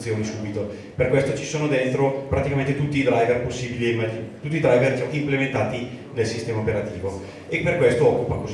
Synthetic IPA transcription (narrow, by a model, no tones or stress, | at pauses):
sjoːnisubit̪o | perkwest̪ot͡ʃi̥soːnod̪ent̪ɾopɾat̪ikament̪et̪ut̪ːiːd̪ɾajverposːiːbiliemat̪ut̪ːid̪ɾajverd͡ʒɔkimplement̪aːt̪inelsist̪ɛːmaopeɾat̪iːvo | eperkwest̪oɔkːukalkɔz